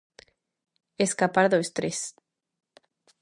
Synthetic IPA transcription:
eskapaɾðoest̪ɾes

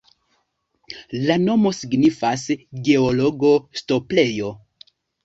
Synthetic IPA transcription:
lano̞mo̞siɡnifasɡe̞olo̞ɡo̞sto̞ple̞jo̞

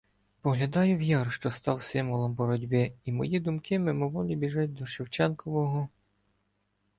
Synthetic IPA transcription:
pɔɦlʲɐd̪ɑjʊʋjɑrʃt͡ʃɔst̪ɑwsɪmʋɔlˠɔmbɔɾɔdʲbɪimɔjid̪ʊmkɪmɪmɔʋɔlʲibʲiʒɑtʲd̪ɔʃɪwt͡ʃɛnkɔʋɔɦɔ

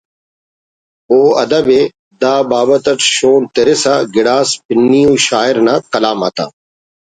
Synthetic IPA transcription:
oːɐd̪əbeː | d̪aːbaːbət̪əʈ̪ʃoːnt̪eɾesaːɡɪɽaːspɪnːiːũːʃaːɪɾnãːkɐlaːma̰ːt̪a̰ː

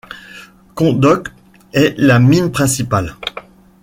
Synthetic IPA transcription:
kɔ̃d̪ɔk | ɛlaminpχɛ̃sipal

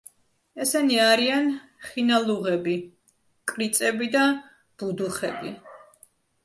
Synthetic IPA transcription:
ɛsɛniaɾianχinalˠuʁɛbi | kʼɾit̪sʼɛbid̪a | b̥ud̪uχɛ̰bi

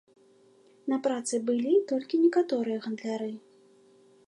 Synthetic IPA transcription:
nɐpɾat̪sɨbɨlʲit̪ɔlʲkʲinʲɛkat̪ɔɾɨjɐɣɐnd̪lʲaɾɨ

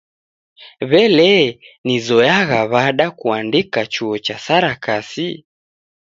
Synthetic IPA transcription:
βɛlɛnizɔjaɣaβaɗakuandikat͡ʃuɔt͡ʃasaɾakasi

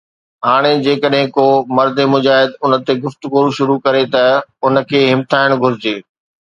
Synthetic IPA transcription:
ɦaːɽ̃ed͡ʑeːkəɗɦɪ̃komɐɾd̪emʊd͡ʑaːɦɪd̪ʊnə̆t̪eɡʊft̪ʊɡuːɾʃʊɾukɐɾet̪ɐʊnə̆kʰeːɦɪmt̪ʰaːɪɽ̃ɡʱʊɾɪd͡ʑeː

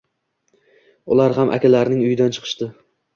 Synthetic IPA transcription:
ʊlaɾɦamʔa̰kʲʰalaɾnɪŋʊjɪd̪ant͡ʃʰɨ̥qʰɨ̥ʃt̪ɪ

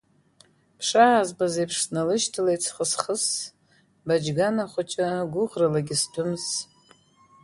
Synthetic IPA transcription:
pʰʂaːzbazejpʰʂsnalɨʃtʰɨlejt͡sʰχəsχəs | bad͡ʒɡanaχʷʊt͡ʃʼaɡʷʊʁralaɡʲɪstʰʊms

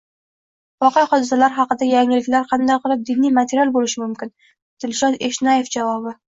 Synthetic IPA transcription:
vɒqejχɒd̪ɪsalaɾɦɑqɨd̪ajaŋːɪlɪkʲlaɾqʰɑnd̪ajqʰɨlˠɪp̚d̪inːijmat̪ʰeɾʲjalˠbolɪʃɪmʊmkʲɪn | t̪ɪlʃɒt̪eʃnɑjefd͡ʒavɒbɪ

